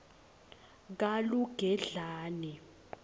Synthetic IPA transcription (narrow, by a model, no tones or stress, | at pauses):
k̬aluɡ̥ʱɛɮaːnɛ